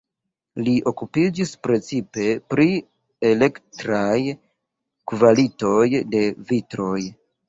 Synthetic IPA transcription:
liʔo̞kupid͡ʒispɾe̞t͡sipe̞pɾi | ele̞ktɾaj | kvalito̞jde̞vitɾo̞j

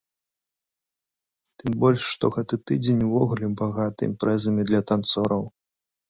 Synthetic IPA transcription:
t̪ɨmbɔlʲʂːt̪ɔɣɛt̪ɨt̪ɨd͡zʲenʲwvɔɣulʲɛbaɣat̪ɐ̰ḭmpɾɛzɐmʲid̪lʲɐt̪ant̪sɔɾɐw

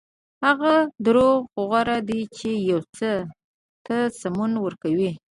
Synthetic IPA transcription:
haɣad̪ɾoɣɣʊɣaɾad̪it͡ʃejawt͡sə | t̪əsamunwəɾkawi

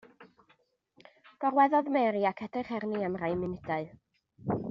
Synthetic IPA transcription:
b̥ɔrwɛðɔðmɛɾiakʰɛd̥ɪχhɛrniamrajmɪnɪdaɨ

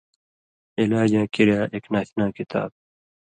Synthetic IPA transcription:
ilaːd͡ʑãːkiɾjaːʔeknaːθnãːkit̪a̰ːb̚

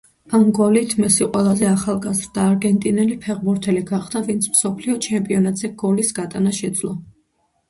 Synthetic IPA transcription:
amɡɔlit̪ʰmɛsiqʼwɛlˠazɛaχalˠɡazɾd̪aːɾɡɛnt̪ʼinɛlipʰɛʁbuɾt̪ʰɛliɡaχd̪avint̪sʰmsɔpʰliɔt͡ʃʰɛmpʼiɔnat̪ʼz̥ɛɡɔlisɡat̪ʼanaʃɛd̪zlˠɔ

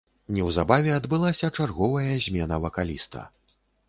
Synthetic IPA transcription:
nʲɛwzabavʲɛad̪bɨlˠasʲɐt͡ʂarɣɔvɐjɐzʲmʲɛnɐvɐkalʲist̪ɐ̰

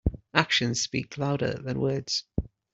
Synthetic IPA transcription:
akʃə̃nz̥spḭˑkʰlaʊɾə̰ðə̃nwɜːdz̥

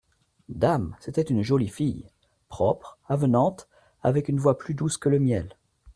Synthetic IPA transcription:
d̪amset̪ɛt̪ynʒɔlifij | pχɔpχavənɑ̃t̪ | a̰vɛkynvwaplyd̪uskələmjɛl

